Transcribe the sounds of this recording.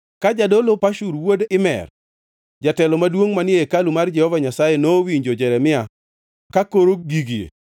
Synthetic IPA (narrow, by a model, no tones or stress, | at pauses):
kad͡ʒadolopaʃuɾwodɪmɛ̰r | d͡ʒatɛlɔmadwoŋmanɪekalumard͡ʒɛhɔvaɲasajenowiɲd͡ʒod͡ʒɛɾɛmɪa | kakoɾoɡiɡiḛ